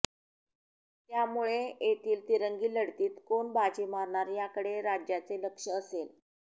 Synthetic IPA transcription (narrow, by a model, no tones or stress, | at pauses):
t̪jamuɭeet̪iːlt̪iɾəŋɡiːləɽt̪iːt̪koɳbat͡ɕimaɾɳaɾjakəɽeɾad͡ʑjat͡seləkʂəːsel